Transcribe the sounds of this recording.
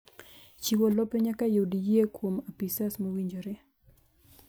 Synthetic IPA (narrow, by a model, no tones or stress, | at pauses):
t͡ʃiwolɔpeɲakajodijekwomapisasmowiɲd͡ʒoɾe